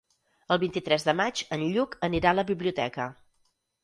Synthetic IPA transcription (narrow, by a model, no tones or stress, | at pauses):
əlˠβint̪it̪ɾɛzðəmad͡ʒənʎukəniɾaləβiβliut̪ɛ̰kə